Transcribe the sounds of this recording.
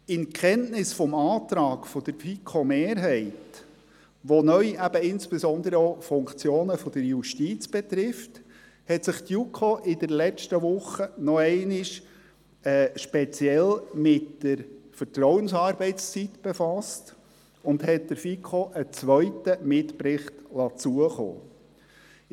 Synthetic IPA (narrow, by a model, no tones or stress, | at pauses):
ɪnkʰχɛntnɪsfɔmɑːt̪ɾɑːɡ̥fɔd̥̪əɾfikʰomeːɾɦɛɪt | ʋonœʏæb̥əɪnsb̥esɔnd̪əɾəofʊŋkt͡sjoːnəfɔd̥əɾjuʃtit͡sb̥et̪ɾɪft | hɛtsɪχtjukʰoʔɪdəɾlɛt͡ʃtəʋʊχːənɔɛɪnɪʃ | ɛːʃpɛt͡sjɛlmɪtd̥əɾfətɾɔwənsɑːɾbɛɪtst͡sit̪b̥efɑst | ʊndhɛt̚d̪əɾfikʰoʔət͡sʋœɥtəmɪtpɾɪχtlɑt͡suəχo̰ː